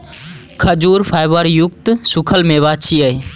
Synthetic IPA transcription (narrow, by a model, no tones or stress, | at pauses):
kʰəd͡ʒuːɾpʰaːjbəɾjʊkt̪sʊkʰəlmeʋat͡ʃʰiəi